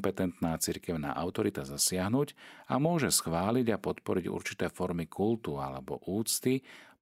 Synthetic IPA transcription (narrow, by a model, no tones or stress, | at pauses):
pɛt̪ɛnt̪naːt͡siɾkɛʊna̰ːʔaʊt̪ɔɾit̪azasɪaɦnuːɟa̰mʊɔʒɛsxʋaːliɟapɔt̪pɔɾiɟṵɾt͡ʃi̥t̪ɛːfɔɾmikʰult̪ua̰lɛ̰bɔ̰ʔuːt͡st̪i